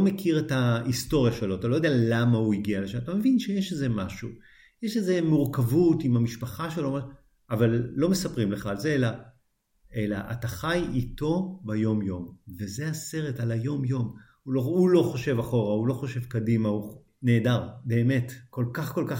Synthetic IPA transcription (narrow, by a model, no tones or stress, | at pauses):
omekʰiʁetaisto̞ʁjaʃelo̞atalojdealamauiɡiale̞ʃamatame̞vinʃejeʃeze̞maʃu | jeʃeze̞muʁkavutimamiʃpaχaʃeloma | avalːo̞me̞sapʁimle̞χaːlzeela | e̞la̰ʔataχajito̞bajo̞mjo̞mve̞ze̞ase̞ʁe̞talajo̞mjo̞m | uloulo̞χo̞ʃe̞vaχo̞ʁaulo̞χo̞ʃe̞vkadimau | ne̞ːdaʁbe̞ːme̞tko̞lkaχko̞lka